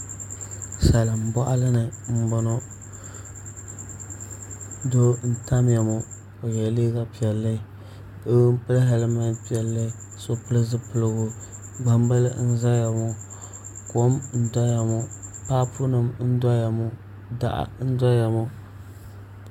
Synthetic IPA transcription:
sa˨la˨m̩˨bɔ˦ʔa̰˦lɨ˦nɨ˨m̩˦bɔ˦no˦ | do˦n̩˦ta˦m˦ja˨mo˨ | o˨jɛ˨leː˦ɣa˦pi˨ɛ˨lːɨ˦˨ | o˦m̩˦pɨ˦lɦa˨lɨ˦ma˦pi˦ɛ˨lːɨ˦˨ | so˦pɨ˦lɨ˦zɨ˦pɨ˨lɨ˦ɡo˦ | ɡ͡ba˦m˦ba˦lɨ̰˦n̩˦za˦ja˨mo˦ | ko˦mn̩˦dɔ˦ja˨mo˦pa˦pʰu˦nɨ˨mn̩˦dɔ˦ja˨mʊ˦ | da̰˨ʔa̰˦n̩˦dɔ˦ja˨mo˦

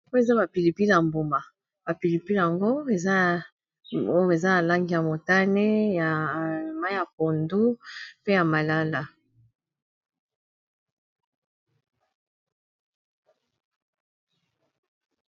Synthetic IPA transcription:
o˦e˨za˦ba˨pi˨li˨pi˦la˨mbo˨ma˨ | b̥a˨pi˨li˨pi˦lja˨ŋɡo˦e˨za˦ | o˦jo˦e˨za˦na˨la˦ŋɡi˦ja˨mo˨ta˦ne˦ja˨ma˦ja˨p̚o˨ndu˦pe˦ja˨ma˨la˦la˨

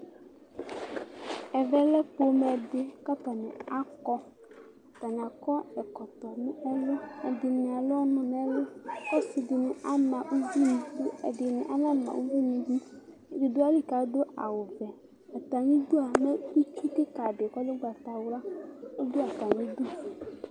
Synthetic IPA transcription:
ɛ˨vɛ˦lɛ˦po˦mɛ˨ɖe˦ka˦pa˨nɛ̰̃˨a˦kɔ˦˨ | t̪a˨ɲã˨kɔ˦ɛ˨kɔ˨t̪ɔ˨nũ˦ɛ˦lo˦e˨dɪ˨nĩ˨a˨lo˦ɔ˦nʊ̃˨nɛ˨˦lo˦kɔ˦si˨dɪ˨nũ˦ʔa˦nã˨ʔu˦vu˦nũ˨to˦e˨dɪ˨nɪ̰̃˨ʔa˦nã˦nã̰˨wṵ˦vu˦nũ˨d͡ʒu˦ | d͡ʒi˨do˦a˦li˦ka˨˦do˦a̰˨wo˨vɛ˨ | ɛ˨t̪a˨ɲĩ˦d̪u˦a˨me˦u˦t͡ʃu˦t̪ɪ˦ka˨ɖɪ˨kɔ˦lɪ˦ɡ͡ba˨t̪a˨wla˦o˦do˦a˨t̪a˨ɲĩ˦du˦˨

